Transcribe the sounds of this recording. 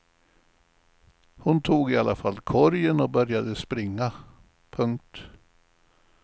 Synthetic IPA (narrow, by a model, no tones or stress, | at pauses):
hʊnt̪ʰuːɡɪalʔafalːkʰɔɾjənɔbœɾjad̪əspɾɪŋːa | pʰɵŋk̚t̪